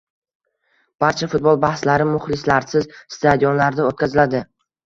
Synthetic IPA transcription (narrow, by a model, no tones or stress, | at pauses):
b̥aɾt͡ʃʰafʊt̪̚bɒlˠbahslaɾɪmʊχlɪslaɾsɪzst̪ʰad̪ijɒnlaɾd̪aot̪̚kʲʰazɪlad̪ɪ